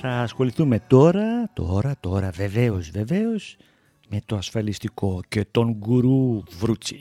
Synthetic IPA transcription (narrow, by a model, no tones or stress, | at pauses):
θɐːsxo̞liθume̞t̪o̞ɾɐt̪o̰ɾɐt̪o̞ɾɐve̞ve̞o̞zve̞ve̞o̞z̥ | me̞t̪o̞ɐsfɐlist̪iko̞ce̞t̪o̞ŋɡuɾuvɾut͡si̥